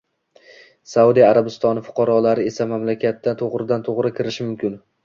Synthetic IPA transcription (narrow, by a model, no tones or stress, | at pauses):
saud̪ijaɾabɪst̪ɒnɪfʊ̥qʰɑɾɒlaɾɪe̞samamlakʲat̪ːat̪ʰoʁɾɪd̪ant̪ʰoʁɾɪkʲʰɪɾɪʃɪmʊmkʲʰɪn